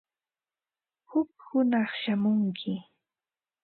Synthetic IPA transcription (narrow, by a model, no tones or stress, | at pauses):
hʊkhʊnɑχʃamʊŋkʰɪ